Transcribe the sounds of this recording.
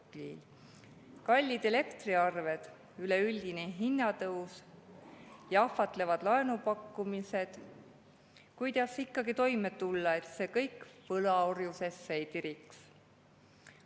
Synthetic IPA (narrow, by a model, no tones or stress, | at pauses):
lḭl | kɑlʲːid̪̥e̞le̞kt̪riɑrve̞d̪̥ | yleylʲd̪̥ineɦinːɑt̪ɤws | jɑɑfɑt̪ˑle̞vɑd̪̥lɑe̞nupɑkːumise̞d̪̥ | kujd̪ɑsikˑːɑɡ̥it̪o̞jme̞t̪ulːɑe̞t̪se̞kɤjkːvɤlɑo̞rjuse̞sːejt̪iɾiks